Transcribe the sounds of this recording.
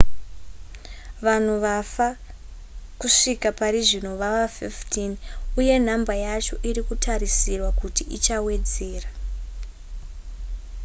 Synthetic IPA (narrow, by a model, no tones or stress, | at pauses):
ʋan̤uʋafa | kuʂikapaɾiʐino̞ʋaʋafiftʰinuje̞n̤ambajat͡ʃo̞ʔiɾikutʰaɾisirwakutiʔit͡ʃawe̞d͡ze̞ːra